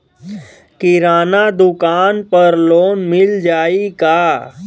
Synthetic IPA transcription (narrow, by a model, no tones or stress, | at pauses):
kɪɾaːnad̪ʊkaːnpɐɾloːnmɪld͡ʒaːikaː